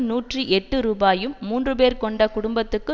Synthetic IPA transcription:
nuːʈriʔɛʈːɯɾuːbaːjɯmːuːndrɯpeːɾkɔɳɖɐkʊɽʊmbɐt̪ːɯkːɯ

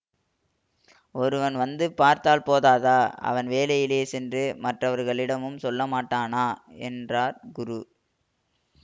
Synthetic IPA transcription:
ɔɾɯʋɐnʋɐnd̪ɯpaːɾt̪aːlpoːðaːðaːɐ̰ʋɐnʋeːlɐjɪleːsɛndrɯmɐʈrɐʋɐɾɣɐɭɪɽɐmɯmsɔlːɐmaːʈːaːnaːɛndraːɾɡʊɾu

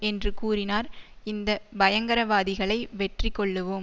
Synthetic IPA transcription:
ɛndrɯkuːrɪnaːɾɪnd̪ɐbɐjɐŋɡɐɾɐʋaːðɪɣɐɭɐɪʋɛʈrɪkːɔɭːɯʋoːm

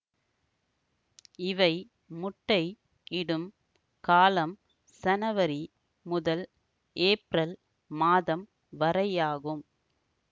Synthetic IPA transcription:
ɪʋɐɪ | mʊʈːɐɪ | ɪɽɯm | kaːlɐm | sɐnɐʋɐɾi | mʊðɐl | ʔeːpɾɐl | maːðɐm | ʋɐɾɐjaːɣɯm

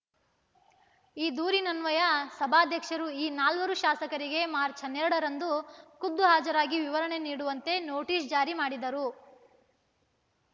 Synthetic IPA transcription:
iːd̪uːɾinɐnʋɐjɐsɐbʱaːd̪ʱjɐkʂɐɾuiːnaːlʋɐɾuʃaːsɐkɐɾiɡe̞maːɾt͡ʃʰɐnɛɾɐɽɐɾɐnd̪ukud̪ːuɦaːd͡ʒɐɾaːɡiʋiʋɐɾɐɳe̞niːɽuʋɐnt̪e̞noːʈiːsd͡ʒaːɾimaːɽid̪ɐɾu

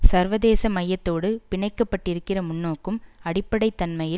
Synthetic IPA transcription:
sɐɾʋɐðeːsɐmɐjːɐt̪ːoːɽɯpɪɳɐɪkːɐpːɐʈːɪɾɯkːɪrɐmʊnːoːkːɯmɐɽɪpːɐɽɐɪt̪ːɐnmɐjɪ

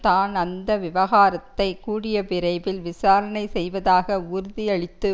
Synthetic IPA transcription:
t̪aːnɐnd̪ɐʋɪʋɐɣaːɾɐt̪ːɐɪkuːɽɪjɐpɪɾɐɪbɪlʋɪsaːɾɐnɐɪsɛjʋɐðaːɣɐʊɾʊðɪɐɭɪt̪ːɯ

